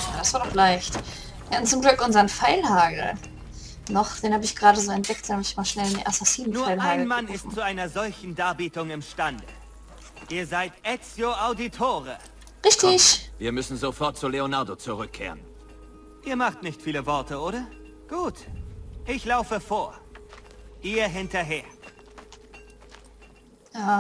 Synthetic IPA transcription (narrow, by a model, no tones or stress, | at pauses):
ja̰ːdasv̥aːɐdɔχlaɪçt | jaʊntt͡sʊmɡlʏkʔʊnzɐənfaɪlhaːɡl̩ | nɔχd̥eːnhaːbəɪçɡ̥əʁaːdɾəzoːɛnt̚d̥ɛktd̥amɪtɪçmaːlʃnɛlɪndḭnʔasasiːnnnufɐaɪlhhaːaɪnmanɪstt͡suaɪnɐzɔlçn̩daːɐbiːtʊŋɪmʃtandə̰ | ʔiːɐzaɪtʔɛt͡sjoaʊditʰoːʁə | ʁɪçtɪçviːɐmʏsn̩zofɔɐt̚t͡suleonaɐdot͡suʁʏkʰːḛːʁən | ʔiːɐmaχtnɪçtfiːləvɔɐtəoːɾɐ | ɡ̥uːtʔɪçlaʊfəfoːɐ | ʔiːɐɦɪntɐɦeːɐ | jaː